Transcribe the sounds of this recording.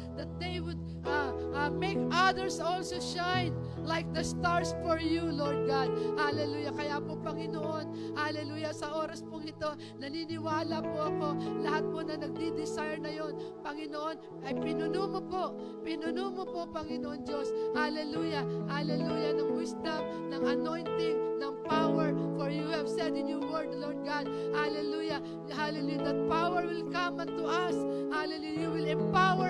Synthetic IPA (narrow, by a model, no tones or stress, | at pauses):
d̪ɐt̪̚d̪ejwʊd̪̚ | ʔa | mejkʔad̪ɛɹsolsoʃãjn | lajk̚d̪ɐst̪aɹsfɔɹjuloɹd̪̚ɡad̪̚halɛluːjɐkɐjapopɐŋɪnoʔo̞n | halɛluːjɐsɐʔo̞ːɾɐspʊŋɪt̪o̞ | nɐninɪwaːlapoʔɐko̞ɐlɐhat̪̚ponɐnɐɡ̚d̪id̪ɪsajɛɹnɐjo̞npɐŋɪnoʔo̞n | ʔɐjpɪnʊnumopoʔ | pɪnʊnumopopɐŋɪnoʔond͡ʒoshalɛlujahalɛlujanɐŋmist̪ab̚ | nɐŋɐnojnt̪ɪŋnɐŋpawɛɹfɔɹjuhɐvsɛd̪ɪnjuwɛɹd̪ɐloɹd̪̚ɡad̪̚halɛluja | halɛlujad̪ɐt̪̚pawɛɹwɪlkamɐnt̪ʊʔas | halɛlujawɪlɛmpawɛ